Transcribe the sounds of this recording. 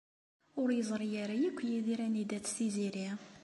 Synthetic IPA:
ʊɾjəzˤɾˤijaɾajækʷːjiðiɾænid̪æt͡sːθiziɾi

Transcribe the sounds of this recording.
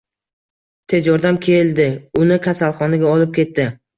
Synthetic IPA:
t̪ʰe̞zjɒɾd̪amkʲʰe̞ld̪ɪʊnɪkʲʰasalˠχɒnɪɡʲaɒlɪp̚kʲʰe̞t̪ːɪ

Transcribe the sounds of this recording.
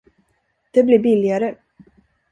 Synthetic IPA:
d̪̥ɛblɪbɪlɪaɾə

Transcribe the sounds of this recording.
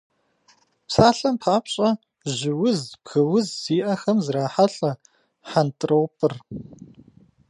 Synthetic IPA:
psaːɬʼɐmpʰaːpɕʼɐ | ʑɪwʊzbxɨwʊzːiːʔɐxɐmzraːħaɬʼɐ | ħantʼrɐwpʼɨr

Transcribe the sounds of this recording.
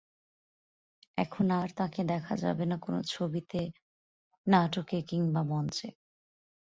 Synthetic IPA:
ɛ̰kʰonaɾt̪ãked̪ɛkʰad͡ʑa̰benakono̰t͡ɕʰobit̪e | naʈokekiŋbamɔnt͡ɕḛ

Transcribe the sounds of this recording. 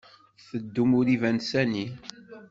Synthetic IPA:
θəd̪ːumʊɾivænsæni

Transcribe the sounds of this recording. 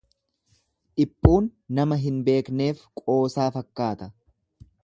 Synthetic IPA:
ᶑɪpʼːuːnːɐmɐɦɪnbe̞ːkne̞ːfkʼo̞ːsaːfɐkːaːt̪ɐ

